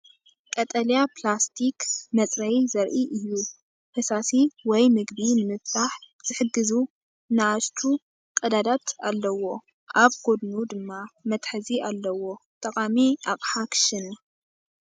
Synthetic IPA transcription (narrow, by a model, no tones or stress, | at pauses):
kʼɐt̪ʼɐljaplast̪ʰikmɐt̪ʼɾɐjzɐɾʔiʔɨjːu | hʰɐsasiwɔjmɨɡbinɨmɨβt̪ʰaħ | z̥ɨħɨɡːɨzu | naʔaʃt͡ʃ̪ʰu | kʼɐd̪ad̪at̪ʰalːɐwo̞ | ʔaβɡo̞d̪nud̪ɨmːamɐt̪ħɨzialːɐwo̞t̪ʼɐkʼamiʔaqʼħakʰɨ̥ʃɨnu